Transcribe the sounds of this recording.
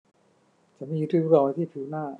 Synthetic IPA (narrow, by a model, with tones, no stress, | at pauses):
t͡ɕʰa˦nmiː˧˨u˧˦t̪ʰuː˧˩˧a˧˩˨ma˧˦t̪ʰiː˥˩t̪ʰɯː˨˦naː˥˩